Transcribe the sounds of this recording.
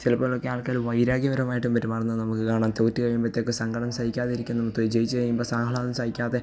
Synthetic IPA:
silɐpːoːɭokːeaːɭkaːluʋɐjɾaːɡjɐʋɐɾɐmaːjiʈːumpɐtːumɐrɐnːɐðnɐmukːɨkaːɳaːnt̪otːikɐjumbɐt̪ːeokːesɐŋɡɐɽɐmsaːdikʲːaːðeiɾikʲːunːɐmukt̪ːoid͡ʑejit͡ɕːɨkɐjːumboːsaːɐɭaːnɐmsaːdikʲːaːðe̞

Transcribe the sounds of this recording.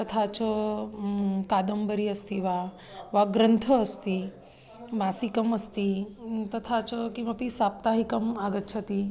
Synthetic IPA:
t̪ət̪ʰat͡ʃə | kad̪əmbəɾiəst̪iʋa | ʋaɡɾənt̪ʰəːst̪i | masikəməst̪it̪ət̪ʰat͡ʃəkĩʋapisap̚t̪aɦikəmaɡət̪t͡ʃʰət̪i

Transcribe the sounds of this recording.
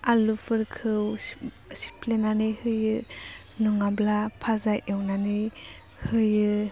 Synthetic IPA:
alufʰɯɾkʰɯw | si̥plenanɯjhɯjɯ | nɔŋablapʰazajʔewnanɯj | hɯjɯ

